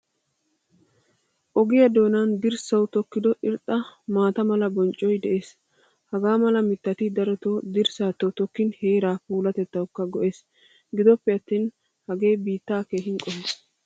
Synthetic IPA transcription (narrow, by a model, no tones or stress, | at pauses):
ʔɔɡɪjɐd̪o̞ːnaːnd̪ɪɾsɐwt̪ɔkːɪd̪ɔʔɪɾt̪ʼːɐmaːt̪ɐmɐlɐbɔnt͡ʃʼːɔjd̪ɛʔe̞ːs | hɐɡaːmɐlɐmɪt̪ːɐt̪ɪd̪ɐɾɔt̪oːd̪ɪɾsaːt̪ːɔt̪ɔkːɪnheːɾaːpuːlɐt̪ɛt̪ːɐwʊkːɐɡɔʔe̞ːs | ɡɪd̪ɔpːɛɐt̪ːiːn | hɐɡe̞ːbiːt̪ːaːkeːɦɪŋkʼɔheːs